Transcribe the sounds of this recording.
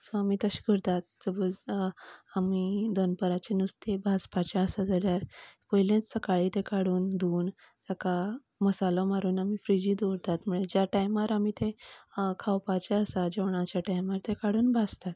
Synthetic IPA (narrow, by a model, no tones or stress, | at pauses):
soamiːt̪əɕɡəɾt̪at̪̚d͡zəbəd͡z | amid̪ənpəɾat͡ɕenust̪ebʱaspat͡ɕaəsad͡zaljaɾpɔjlẽt͡ssəkaɭit̪ekaɽuːnd̪uːn | t̪jaka | məsalɔmaɾuːnamifɾid͡ʑiːd̪oɾt̪at̪muɭed͡ʑjaʈajmaɾamit̪ekʰawpat͡ɕaəsad͡ʑeʋɳ̃at͡ɕjaʈajmaɾt̪ekaɽuːnbʱast̪at̪̚